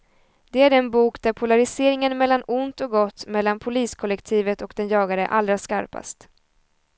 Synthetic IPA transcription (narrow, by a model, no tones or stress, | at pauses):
d̪̥ɛæɾɛnbuːkd̪æɾpʰʊlaɾɪseːɾɪŋənmɛlːanʊnt̪ɔk̚ɡɔt̪ːmɛlːanpʰʊliːskʰɔlːɛkt̪ʰiːvət̪ɔkd̪ɛnjɑːɡaɾəʔa̰ld̪ɾaska̰ɾpa̰st̪